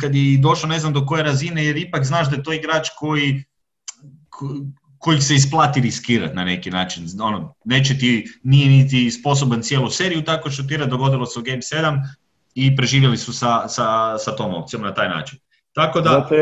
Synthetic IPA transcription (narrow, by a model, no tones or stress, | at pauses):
kad̪jed̪o̞ʃlone̞znamd̪oko̞je̞ɾazine̞je̞ɾipakznaːʒd̪ajet̪oːiɡɾaːt͡ʃko̞ji | kʰ | ko̞jikseisplˠaːt̪iɾiskiːɾa̰t̪nane̞kinaːt͡ʃino̞none̞ːt͡ʃet̪inijenit̪̬ispo̞s̬obant̪sje̞ːluse̞ːɾijut̪ako̞ʃt̪ot̪iɾad̪o̞ɡo̞d̪ilˠoseuɡejmse̞d̪am | ipɾe̞ʒiːʋjelisusasasat̪o̞ːmopt̪sijo̞mnat̪aːjna̰ːt͡ʃin | t̪ako̞d̪a